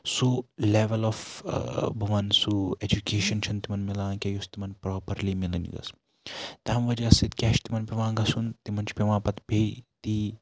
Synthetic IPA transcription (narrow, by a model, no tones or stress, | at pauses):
suleʋɐlɔf | bʱɐʋɐnsued͡ʒukeːʃɐnt͡ʃʰɐnt̪imɐnmilãːkʲɐjust̪imɐnpɾɔːpɐɾlimilɐnḭɡɐ̰s | t̪aːmʋɐd͡ʒɐɐsit̪kʲaːʃt̪imɐnpiʋãːɡɐsunt̪imɐnt͡ʃʰpʲiʋãːpɐt̪bʱeːt̪iː